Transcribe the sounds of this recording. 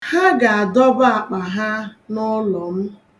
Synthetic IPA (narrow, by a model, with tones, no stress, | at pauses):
ha˦ɡa˨a˨dɔ˦ba˨k͡pa˨ɦa˦nʊ˦lɔ˨m̩˦